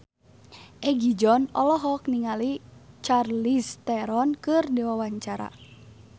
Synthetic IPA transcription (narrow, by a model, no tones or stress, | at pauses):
ʔɛɡid͡ʒɔnɔlɔɦɔk̚niŋalit͡ʃarlist̪ɛɾɔnkɨrdiwawaɲt͡ʃaɾa̰